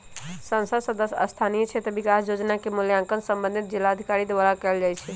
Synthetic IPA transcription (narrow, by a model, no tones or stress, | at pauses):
sənsəd̪səd̪əsə̰st̪ʰanijət͡ʃʰet̪əbikasjod͡ʒnakemuljãŋkənsəmbə̃nd̪ʱit̪̚d͡ʒilːaəd̪ʱikaɾid̪eβalakɛld͡ʒajt͡ʃʰɛ